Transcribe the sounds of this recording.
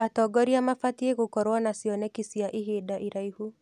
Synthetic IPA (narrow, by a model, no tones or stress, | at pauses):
atɔɡɔɾiamafatieɣokɔɾwanasjɔnɛkisiaʔiɦeːdaʔiɾaihu